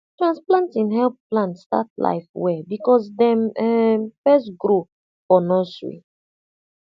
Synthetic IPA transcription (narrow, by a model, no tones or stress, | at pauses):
tɹãnsplãntĩnɦɛlpplãntsta̰tla̰ɪfwɛbikɔs̬dɛ̃mɛfɛsɡɾo | fɔnɔsɹḭ